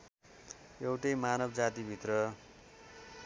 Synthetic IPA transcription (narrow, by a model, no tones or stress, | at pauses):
jewʈʌjmanʌbd͡zat̪ibʱit̪rʌ